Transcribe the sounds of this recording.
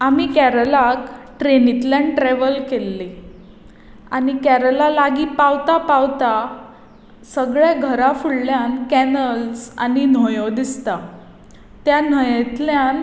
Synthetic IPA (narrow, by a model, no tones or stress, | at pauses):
amikæɾəlak | ʈɾenit̪laɳʈɾeʋəlkelːe | a̰nikæɾəlalaɡiːpawt̪apawt̪a | səɡɭjaɡʱəɾafuɽljankænəlsa̰nin̤ojod̪ist̪a | t̪janəjet̪ljan